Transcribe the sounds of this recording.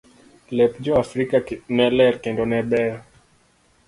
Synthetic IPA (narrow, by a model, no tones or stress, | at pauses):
lɛpd͡ʒɔafɾikanɛlɛɾkɛndɔnɛbɛɾ